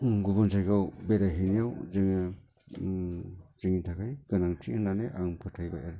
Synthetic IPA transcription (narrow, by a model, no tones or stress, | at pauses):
ɡubunzajɡawbeɾaɦinijawzɯŋa | ziŋintʰakʰajɡɯnaŋtʰiɯnaneʔaŋpʰɯtʰajbaʔaɾ